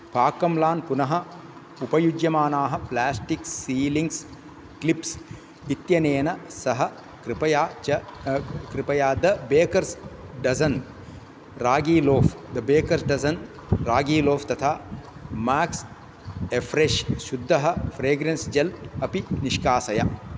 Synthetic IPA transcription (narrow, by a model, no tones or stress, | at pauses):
paːkːɐmlaːnpunɐɦɐ | upɐjud͡ʒjɐmaːnaːɦɐplaːsʈiksiːliŋɡs | klips | it̪jɐneːnɐsɐɦɐ | kɾipɐjaːt͡ʃɐkɾipɐjaːd̪ɐbeːkɐɾsɖɐsɐn | ɾaːɡiːloːfd̪ɐbeːkɐɾsɖɐzɐn | ɾaːɡiːloːft̪ɐt̪ʰaːmaːks | efʰɾeʃʃud̪ʱːɐɦɐfʰɾeːɡɾensd͡ʒɐlɐpiniʃkaːsɐjɐ